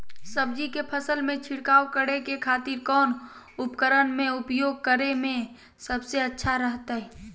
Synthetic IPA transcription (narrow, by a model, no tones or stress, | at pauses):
səbd͡ʒikepʰəsəlmẽt͡ʃʰɪɽkaːokəɽekekʰaːt̪iɾkɔːn | ʊpkəɾənmẽʊpjoːɡ̚kəɾemẽ | səbseətːʃʰaɾəɦt̪aɦɛː